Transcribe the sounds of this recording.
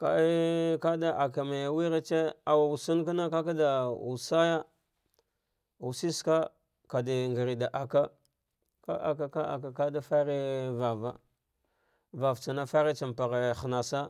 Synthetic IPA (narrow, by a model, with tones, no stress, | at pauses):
ka̰˨i˦ka˦da˦ʔa˨ka˨ma˨ja˨wi˦ɾa˦t͡ʃe˦a˨wa˨u˨su˦nka˦na˦ka˦k̬a˦da˨ṵ˨sa˦ja˦ | u˨si˦ska˦ | ka˨di˨ŋɡi˨ɾi˨da˨ʔa˨ka˦ | ka̰˦ʔa̰˨k̬a˨ka˦a̰˨ka˨ka˦da˦fa˦ɾi˦va˨va̰˦ | va˨vt͡ʃa˨na˦fa˦ɾi˦t͡ʃa˨m˨pa˨ɣe˨xna˨sa˦